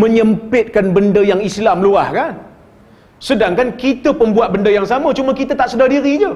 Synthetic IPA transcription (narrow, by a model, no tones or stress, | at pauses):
mə̃ɲəmpɪt̪̚kanbəndəjaŋislamluahkan | sədaŋkankit̪əpəmbuat̪̚bəndəjaŋsamə̃t͡ʃumə̃kit̪ət̪aʔsədahdiɾid͡ʒə